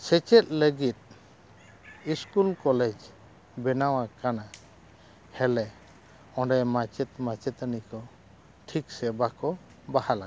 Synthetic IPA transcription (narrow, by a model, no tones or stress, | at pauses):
sɛt͡ʃɛt̪̚ləɡit̪̚ | iskulkɔlɛd͡ʒ | bɛnawakana | hɛlɛ | ɔ̃ɖɛmat͡ʃɛt̪̚mat͡ʃɛt̪ənikɔ | ʈʰiksɛbakɔ | bahalaɡa